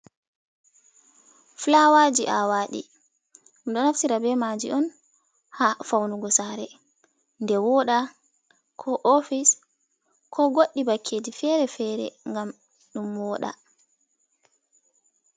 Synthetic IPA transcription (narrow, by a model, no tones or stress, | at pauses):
flawad͡ʒiʔawaːɗḭ | umɗɔnafsiɾabɛmad͡ʒḭʔɔn | hafawnuɡɔsaɾɛ | ndɛwɔɗa | kʰɔʔofis | kʰɔɡoɗːibakʰːeːd͡ʒifɛɾɛfɛːɾɛ̰ŋɡam | ɗumwɔɗa̰